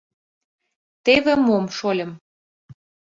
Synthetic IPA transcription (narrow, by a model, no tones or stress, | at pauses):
t̪eβĕmomʃolʲɤ̆m